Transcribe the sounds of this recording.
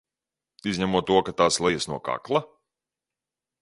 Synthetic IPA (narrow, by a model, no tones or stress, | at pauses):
izʲɲamuɔt̪ːuɔkat̪aːslˠɛjasnuɔka̰klˠa